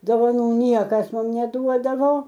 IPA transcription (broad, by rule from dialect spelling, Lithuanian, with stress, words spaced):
doːʋɐˈnuː ˈnʲiɛkɐs ˈmʊm nʲɛˈduɔdɐʋoː